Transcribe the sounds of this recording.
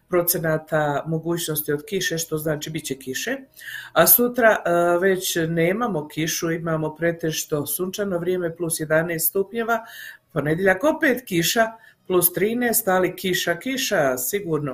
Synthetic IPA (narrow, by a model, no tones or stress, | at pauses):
pɾo̞t̪senaːt̪amo̞ɡuːt͡ɕno̞st̪io̞d̪kiʃe̞ʃt̪o̞znaːt͡ʃibitt͡ɕekiʃe̞asut̪ɾaʋe̞t͡ɕne̞ːmamo̞kiʃuimamo̞pɾe̞t̪e̞ʃt̪o̞sunt͡ʃano̞ʋɾje̞me̞plusje̞d̪aneːst̪st̪upɲeʋapo̞ne̞d̪jeʎako̞pe̞ːt̪kiʃaplˠust̪ɾiːneːst̪alikiʃakiʃasiɡuɾno